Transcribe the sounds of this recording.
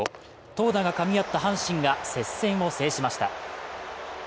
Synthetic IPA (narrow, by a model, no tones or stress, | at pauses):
o | t̪o̞ːd̪aɡakamʲiat̪ːahãɰ̃ɕĩŋɡase̞sːẽ̞ɰ̃o̞se̞ːɕimaɕi̥t̪a̰